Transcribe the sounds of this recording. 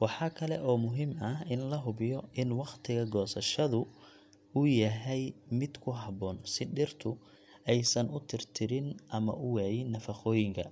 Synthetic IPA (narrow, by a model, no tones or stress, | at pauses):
wɑħɑːkʰɐlɛʔɔːmʊɦiːmɐɦɪnlɐɦʊbɪjɔɪnwɑqt̪ʰɪɣɐɡɔːsɐʃɐðʊ | ʊjɐɦɛjmɪd̪kʰʊɦɑβɔːnsɪɖɪrt̪ʰʊ | ɛjsɐnʊt̪ʰɪrt̪ʰɪɾɪnʔɐmɐ̰ʔʊwɛːjɪnːɐfɑχɔːjɪŋkʰɐ̰